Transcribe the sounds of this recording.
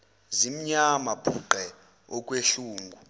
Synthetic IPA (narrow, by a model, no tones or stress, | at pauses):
zim̩ɲamabʰʱuǃɛ | ɔkʼweɬuːŋɡʱu